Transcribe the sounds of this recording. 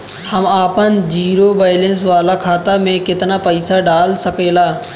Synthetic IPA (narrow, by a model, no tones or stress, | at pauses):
həmaːpənd͡ʒiːɾoːbaːlens̬ʋaːlakʰaːt̪amẽkɪt̪napəɪsaɖaːlsəkeːlaː